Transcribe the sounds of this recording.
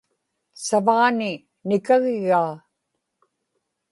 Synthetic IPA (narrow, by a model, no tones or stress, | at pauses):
savaʁanɪ | nɪkaɣɪɣaː